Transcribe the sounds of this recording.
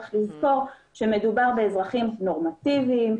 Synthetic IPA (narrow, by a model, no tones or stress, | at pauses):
χlizko̞ʁʃe̞me̞dubaʁbe̞ːzʁaχimno̞ʁmativiːm